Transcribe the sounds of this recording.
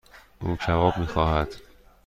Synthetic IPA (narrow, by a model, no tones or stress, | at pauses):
ʔuːt͡ʃʰævɒːbmiːxɒːhæd̪̥